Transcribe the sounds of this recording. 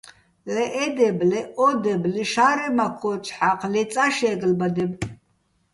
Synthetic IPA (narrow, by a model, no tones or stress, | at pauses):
lɛʔɛd̪ɛblɛʔɔd̪ɛbliʃaɾɛmakʰɔt͡ʃʰʼħaqʰlɛt͡sʼaʃɛɡəlbad̪ɛb